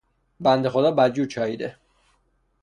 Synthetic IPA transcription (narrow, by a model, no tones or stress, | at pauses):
bænd̪e̞xod̪ɒːbæɾd͡ʒuːt͡ʃʰɒːjiːd̪ḛ